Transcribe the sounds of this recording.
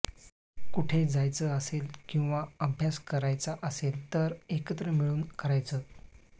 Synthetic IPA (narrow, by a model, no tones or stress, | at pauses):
kuʈʰed͡zajt͡səəselkĩw̃ʋaəbʱjaskəɾajt͡saʔəselt̪əɾekət̪ɾəmiɭuːnkəɾajt͡səː